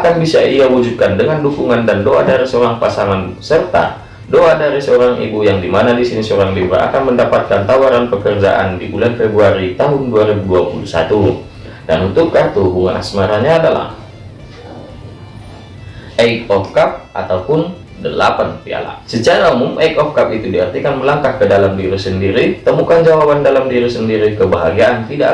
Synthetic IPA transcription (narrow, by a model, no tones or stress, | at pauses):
ʔakanbisaiawud͡ʒud̚kandəŋandukuŋandandoadaɾisəoɾaŋpasaŋansərt̪a̰ | doadaɾisəoɾaŋʔḭbujaŋdimanadisinisəoɾaŋliɾa̰ʔa̰kanməndapat̪̚kant̪awaɾanpəkərd͡ʒa̰ʔa̰ndibulanfɛbɾuaɾit̪aɦʊnduaɾibuduapulusa̰t̪u | danunt̪ʊkat̪uubuŋa̰nʔa̰smaɾaɲaːdala̰h | ʔəikɔfkap̚ʔa̰t̪aupʊn | dəlapanpia̰la̰sət͡ʃaɾaumʊmʔəjkɔfkap̚it̪udiərt̪ikanməlaŋkahkːədalamdiɾisəndiɾit̪əmukand͡ʒawabandalamdiɾisəndiɾikəbaɦaɡiaʔːnt̪ida̰